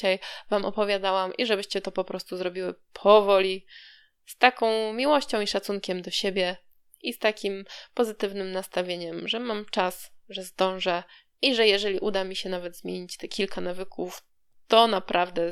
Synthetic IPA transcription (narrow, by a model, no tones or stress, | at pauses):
ajvamʔɔ̰pɔvʲjad̪awamʔiʐɛbɘɕt͡ɕɛt̪ɔpɔpɾɔst̪uzɾɔbʲiwɘpʰɔvɔlʲi | st̪akɔ̃w̃mʲiwɔɕt͡ɕɔ̃w̃iʂat̪suŋkʲɛmd̪ɔɕebʲjɛ | ist̪akʲimpɔzɘt̪ɘvnɘmnast̪avʲjeɲɛmʐɛmamt͡ʂasʐɛzd̪ɔ̃w̃ʐɛ | ʔiʐɛjɛʐɛlʲiʔud̪amʲiɕɛnavɛd̪zmʲjeɲit͡ɕt̪ɛkʲilkʰanavɘkʰuf | t̪ɔnapɾʔavd̪ɛ